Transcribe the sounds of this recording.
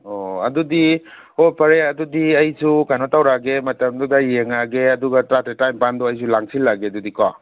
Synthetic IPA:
oɐdudi | opɐɾeɐdudiɐjsukajnotawɾaɡemɐtɐmdudɐjeŋaɡeɐduɡɐtɾatɾetajmpandɔɐjsulaŋsilːaɡeɐdudika

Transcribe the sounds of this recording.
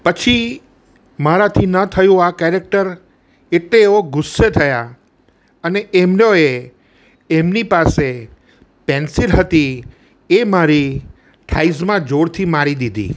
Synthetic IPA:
pət͡ʃʰi | maɾat̪ʰinət̪ʰəjũakɛɾek̚ʈəɾ | eʈleːʋoɡʊsːet̪ʰəja | əneʔemnoe | emnipase | pɛnsilɦət̪i | emaɾi | ʈʰaizmãd͡ʒoɽt̪ʰimaɾid̪id̪ʱḭ

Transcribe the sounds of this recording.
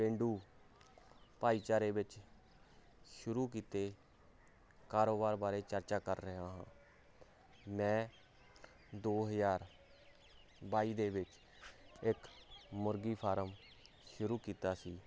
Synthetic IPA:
ẽːɳɖuː | paːiːt͡ʃaːɾeːbɪt͡ʃ | ʃʊɾuːk̬iːt̪eː | kaːɾoːbaːɾbaːɾeːt͡ʃəɾt͡ʃaːkəɾːəɦaːɦã̰ː | mɛ̃ː | d̪oːɦəzaːɾ | baːiːd̪eːbɪt͡ʃ | ɪkmʊɾɡiːpʰaːɾəm | ʃʊɾuːkiːt̪aːsiː

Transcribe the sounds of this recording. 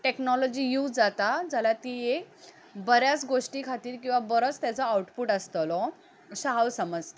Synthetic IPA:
ʈeknɔlɔd͡ʑiːjud͡zd͡zat̪ad͡zalat̪iːek | bəɾjat͡sɡoʂʈiːkʰat̪iːɾkĩw̃ʋabəɾət͡st̪jat͡sɔawʈpuːʈəst̪əlɔ | ɕaɦawsəməd͡z

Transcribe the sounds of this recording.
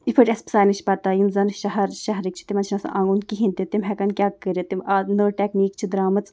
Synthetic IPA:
ipʰəʈʲɐspsaːnɨʃʰipɐɾt̪aːjinzɐnʃɐɦɐɾʃɐɦɐɾik̚t͡ʃʰi̥t̪imɐnt͡ʃʰnɐsɐ̰ʔaŋɡunkiɦint̪it̪imɦɛkɐnkʲaːkkːəɾʲet̪imanəːʈʲɛkniːkt͡ʃʰid̪ɾaːmɐt͡s

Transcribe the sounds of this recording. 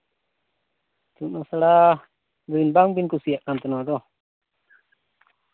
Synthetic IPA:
t̪unɔsala | duinbaŋbinkusijaʔkant̪ɔnɔdɔ

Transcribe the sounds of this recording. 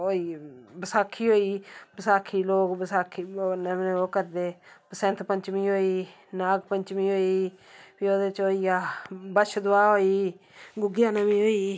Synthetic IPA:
oiːbəsaːkʰːiːɦoːiːbəsaːkʰiːloːɡbəsaːkʰiːnəmneoːkəɾd̪eːpəsɛ̃ːnt̪ʰpə̃ɲt͡ʃmĩːɦoːiː | naːɡpəɲt͡ʃmĩːɦoːiːpioːd̪et͡ʃoːiːaːbəʃd̪ʊaːɦoːiː | ɡʊɡɪjaːnəmĩːɦoːiː

